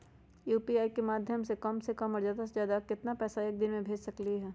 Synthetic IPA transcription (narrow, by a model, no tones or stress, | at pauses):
juːpiaːikemaːd̪ʱjəmsekɐmsekɐmɔːɾzjaːd̪asezjaːd̪akɪt̪napɛːsaeːk̚d̪ɪnmẽbʱeːd͡ʒsɐkliɦɛː